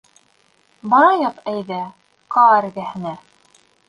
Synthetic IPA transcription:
bɑɾɑjɑqæjðɘ | qɑæɾɡæhɘ̆næ

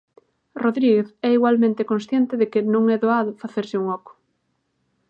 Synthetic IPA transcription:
roðɾiɣeθɛiɣwalmẽnt̪ekõnsθjɛnt̪ɪðɪkɪnõŋɛðoaðʊfaθeɾsɪuŋɔkʊ̥

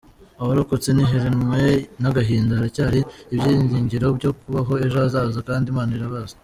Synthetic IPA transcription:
aβaɾokot͡seniɦeɾenwenaɡaɦiːndahaɾacaːɾiːbɟiːɲziːɲɟiɾo̞bɟo̞kuβaɦo̞e̞ʒoazaːzakaːndimaːnaiɾaβazḁ

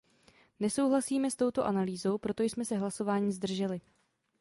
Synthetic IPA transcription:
nɛsowɦlasiːmɛst̪o̞wt̪o̞ʔanaliːzo̞wpɾo̞t̪o̞jsmɛsɛɦlaso̞vaːɲiːzd̪r̩ʒɛlɪ

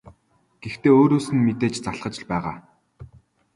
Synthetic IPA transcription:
ɡ̥ext̪eːoːɾoːsɘ̆nmet̪eːt͡ɕt͡saɮɢə̆t͡ɕɪ̆ɮpæːʁaː

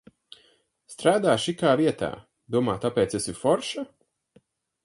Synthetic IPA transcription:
st̪ɾaːd̪aːʃikaːviɛt̪a̰ː | d̪uɔmaːt̪apɛːt̪sesufɔɾʃa

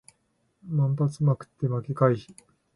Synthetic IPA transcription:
mãmpat͡sɨmakɯ̟̥t̪ːe̞makekaiçi̥

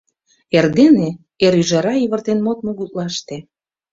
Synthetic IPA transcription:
erd̪ene | eɾyʒɑɾɑiβərt̪enmot̪̚moɣut̪̚lɑʃt̪e

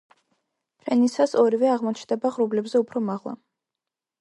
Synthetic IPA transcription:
pʰɾɛnisasɔɾivɛaʁmɔt͡ʃʰnd̪ɛbaʁɾublɛbzɛupʰɾɔmaʁlˠa̰

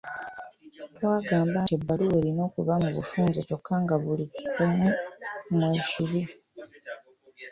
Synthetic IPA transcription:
twaːɡaːmbaebːalue̞ːɾino̞ːkuβamuβṵfuːnzeto̞kʰːaŋɡaβulikʰumumueʃiɾi

